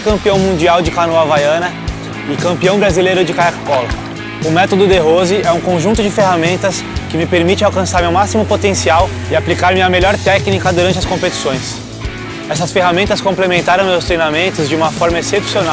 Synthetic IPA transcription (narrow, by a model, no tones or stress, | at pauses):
kɐ̃mpiɐ̃w̃mũnd͡ʒiawd͡ʒɪkanoavajɐ̃nɐ | ɪkɐ̃mpiɐ̃w̃bɾazilejɾʊd͡ʒɪkaakkɔlɐ | ʊmɛt̪od̪ʊd̪eɦozɪɛũkõʒũt̪ʊd͡ʒɪfeɦamẽnt̪ɐs | kɪmɪpeɾmit͡ʃɪawkɐ̃saɾmewmasimʊpot̪ẽsiaw | ɪaplikaɾmɪɐmeʎɔɾt̪ɛknikɐd̪uɾɐ̃nt͡ʃɪɐskõmpet͡ʃi̥sõj̃s | ɛsɐsfeɦamẽnt̪ɐskõplemẽnt̪aɾɐ̃w̃mewst̪ɾejnamẽnt̪ʊzd͡ʒɪũmɐfɔɾmɐesepsiona